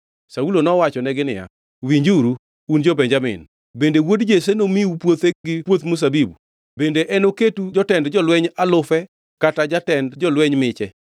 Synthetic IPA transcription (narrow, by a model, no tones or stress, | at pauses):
saulonɔwat͡ʃɔnɛɡɪnɪja̰ | wiɲd͡ʒuɾu | und͡ʒɔbɛɲd͡ʒamɪ̰n | bendewodd͡ʒesenomiupwot̪eɡɪpwot̪mus̬abibu | bendeʔɛnoketud͡ʒɔtɛndd͡ʒɔlwɛɲalʊfɛ | katad͡ʒatɛndd͡ʒɔlwɛɲmɪt͡ʃɛ